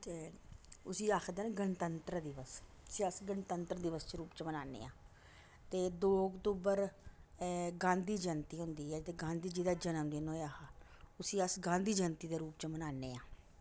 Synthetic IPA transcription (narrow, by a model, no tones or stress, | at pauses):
t̪eːʊsiːaːkʰd̪əːnɡənt̪ənt̪ɾəd̪ɪʋəs | ʊsiːəsɡənt̪ənt̪ɾəd̪ɪʋəst͡ʃəɾuːpt͡ʃmənaːnḛːãː | t̪eːd̪oːɔkt̪uːbəɾ | ɡãːnd̪iːd͡ʒənt̪iːɦʊ̃nd̪iːɛːt̪eːɡãːnd̪iːd͡ʒiːd̪aːd͡ʒənəmd̪eːnoːjaːka | ʊsĩːəsɡãːnd̪iːd͡ʒənt̪iːd̪eːɾuːpt͡ʃəmənaːneːãː